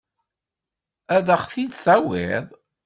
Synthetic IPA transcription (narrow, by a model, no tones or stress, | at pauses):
æðəχθid̪θæwɪ̰ðˤ